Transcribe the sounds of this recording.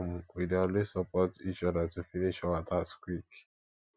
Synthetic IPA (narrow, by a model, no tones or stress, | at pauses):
m̩kidalisapɔtit͡ʃɔdatufiniʃawat̪askwik